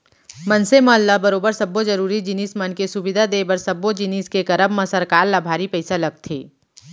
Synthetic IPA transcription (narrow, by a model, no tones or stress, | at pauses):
mɐnsemɐəlːabɐɾoːbəɾsɐbːod͡ʒɐɾuːɾid͡ʒɪniːsmɐnkesʊbɪd̪ʱad̪eːbəɾsɐbːod͡ʒɪniːskekɐɾəbmãsɐɾkaːɾlaːbʱaːɾipɛɪsalɐɡ̚t̪ʰḛː